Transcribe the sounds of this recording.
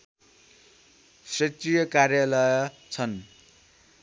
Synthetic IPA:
srʌt̪rijʌkarjalʌjʌ | t͡sʰʌn

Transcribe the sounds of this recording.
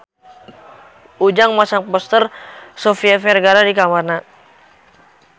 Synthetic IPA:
ʔud͡ʒaŋmasaŋpɔst̪ərsofiafɛrɡaɾadikamarna

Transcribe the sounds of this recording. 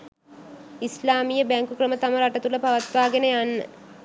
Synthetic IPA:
islaːmijəbæŋkukrəmət̪aməɾaʈət̪uləpaʋat̪ʋaːɡenəjanːə̰

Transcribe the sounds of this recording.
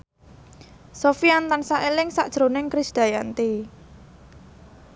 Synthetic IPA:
sofiant̪ansaʔelɪŋsaʔd̥ʒ̥ɾonɪŋkɾɪsd̪̥a̤jant̪e

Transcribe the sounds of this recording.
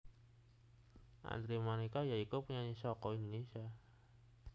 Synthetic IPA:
ʔa̰nd̪ɾimanikajaikupuɲaɲisɔkɔinisa

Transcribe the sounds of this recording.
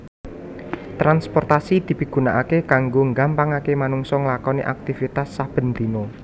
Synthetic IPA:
t̪ɾanspɔrt̪asid̪̥i̤piɡ̥ṳnaʔakekaŋɡoŋɡampaŋakemanuŋsɔŋlakɔniʔak̚t̪ifit̪asːab̥ə̤nd̪̥i̤mo

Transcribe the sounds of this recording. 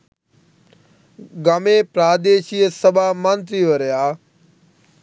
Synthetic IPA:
ɡameːpɾaːd̪eːʃiəsɐbʱaːmə̃nt̪ɾiʋɐɾjaː

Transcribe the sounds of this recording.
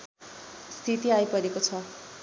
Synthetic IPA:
st̪ʰit̪iajpʌɾekot͡sʰʌ

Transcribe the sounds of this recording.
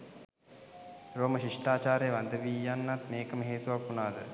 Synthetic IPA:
ɾoːməʃiʂʈaːt͡ʃaːɾejəʋand̪əʋiːjanːat̪meːkəməɦeːt̪uʋakːunaːd̪ə

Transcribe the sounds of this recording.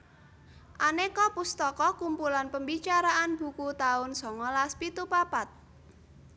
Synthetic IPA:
ʔanekɔpust̪ɔkɔkumpulanpəmbit͡ʃaɾaʔanbṳkut̪aʊnsɔŋɔlaspit̪upapat̪̚

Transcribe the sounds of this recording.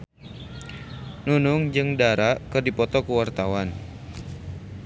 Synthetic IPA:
nunʊŋd͡ʒɨŋdaɾakɨrdipɔt̪ɔkəwart̪awan

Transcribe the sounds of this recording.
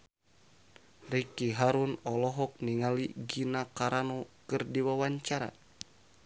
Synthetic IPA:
rikiɦaɾunɔlɔɦɔk̚niŋaliɡinakaɾanɔkɨrdiwawaɲt͡ʃaɾa̰

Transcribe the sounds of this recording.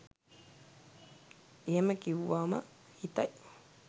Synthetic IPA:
iemãkiwamã̰ | it̪ajʔ

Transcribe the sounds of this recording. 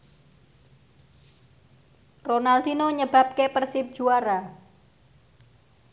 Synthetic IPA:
ronald̪inoɲəb̥a̤p̚kepərsɪp̚d̥ʒ̥uaɾa

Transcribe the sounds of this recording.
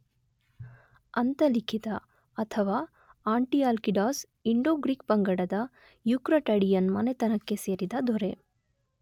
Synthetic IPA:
ɐnt̪ɐlikʰit̪ɐ | ɐt̪ʰɐʋaː | aːɳʈiaːlkiɖaːs | iɳɖoːɡɾikpɐŋɡɐɽɐd̪ɐ | jukɾɐʈɐɽijɐnmɐnet̪ɐnɐkːe̞seːɾid̪ɐd̪ʱoɾe

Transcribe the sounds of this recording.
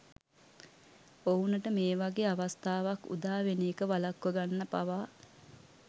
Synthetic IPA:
ounəʈəmeːʋaɡeːaʋast̪aːʋakṵd̪aːʋeniːəkəʋalakːəɡanːəpa̰ʋaː

